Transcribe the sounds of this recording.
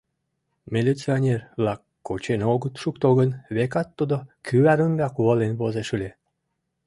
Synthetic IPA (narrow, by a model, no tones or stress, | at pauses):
mʲelʲit͡sionʲerβlɑkːot͡ɕenoɡət̪ʃukt̪oɣənβekɑt̪ːud̪okʰyæɾəmɡɑkuəlenβozeʃulʲe